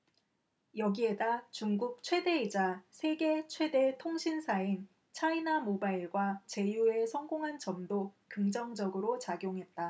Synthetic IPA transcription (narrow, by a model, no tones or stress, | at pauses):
jʌɡie̞dat͡ɕuŋɡuk̚t͡ɕʰwe̞de̞id͡ʑasʰe̞ɡe̞t͡ɕʰwe̞de̞tʰoŋɕʰinsʰain | t͡ɕʰainamobaiɭɡwat͡ɕe̞jue̞sʰʌŋɡoŋɦand͡ʑʌmdokɯŋd͡ʑʌŋd͡ʑʌɡɯɾot͡ɕaɡjoŋɦe̞t̚t͈a